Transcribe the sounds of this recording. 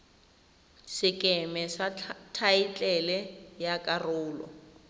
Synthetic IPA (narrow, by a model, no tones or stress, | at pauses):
sɪkʼɛmɛsatʰait͡ɬʼɛlɛjakʼarʊːlɔ̰